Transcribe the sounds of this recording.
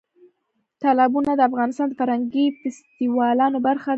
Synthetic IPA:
t̪ɑlɑbunad̪əafɣɑnɪst̪ɑnd̪əfaɾhaŋɡifɪst̪iwɑlɑnobaɾxa

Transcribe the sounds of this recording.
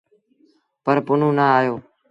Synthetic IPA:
pəɾpʊnũːnaːaːjoː

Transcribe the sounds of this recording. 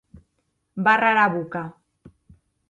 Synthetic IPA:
baraɾaβuka

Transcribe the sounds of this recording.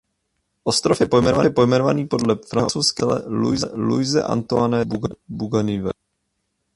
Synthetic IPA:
ʔost̪ɾofjɛpo̞jmɛnovajɛpo̞jmɛnovaniːpo̞dlɛfɾaɦot͡sowskɛlɛ̰lṵjzɛlṵjzɛ̰ʔa̰nt̪oanɛbuɡabuɡanivɛ̰

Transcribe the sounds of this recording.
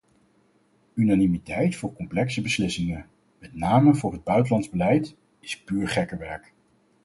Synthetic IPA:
ynanimitɛjtfʊːɹkɔmplɛksəbəslɪsɪŋə | mɛtnaːməvʊːɹɦəd̚bœɥtəlɑndzbəlɛjt | ɪspyːɹχɛkəʋɛɹk

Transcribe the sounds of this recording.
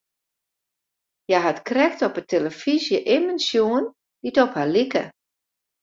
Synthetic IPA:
jaɦatkrɛxtɔpəteləfizjəʔɪmənsjuən | ditɔphalikə̰

